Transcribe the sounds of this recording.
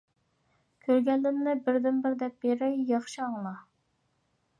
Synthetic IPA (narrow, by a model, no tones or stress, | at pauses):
kʲʰøɾɡʲɛlːmnɪbɪɾd̪ɪnbɪɾd̪ɛp̚beɾɛjjɑχʃiɑŋlˠɑ